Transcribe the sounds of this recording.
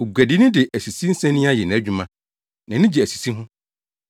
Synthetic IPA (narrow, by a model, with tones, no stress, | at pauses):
o˨ɡʷæ˨dɪ˦nɪ̃˦dɪ˨ʔæ˨si˨si˦n̩˦sɛ̃˦nːĩ˦a˦jɛ˨nã˨æ˦d͡ʑᶣu˦mã˨ | nã˨nɪ̃˦d͡ʑi˨æ˨si̥˨si˦ɦʊ̃˦